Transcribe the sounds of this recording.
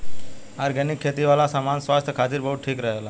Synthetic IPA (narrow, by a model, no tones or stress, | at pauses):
aɾɡɛnikʰːet̪iʋalasamansʋast̪ʰjəkʰat̪iːɾbəɦuːʈʰiːkɾəɦela